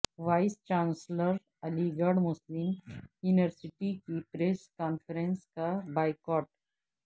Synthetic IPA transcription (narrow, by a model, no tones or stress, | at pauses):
ʋaːɪst͡ʃãːnsləɾ | ɐliɡəɖmʊslɪmjuːniʋəɾsɪʈikipɾeːskɔːnfəɾə̃nskabaːɪkɔːʈ̚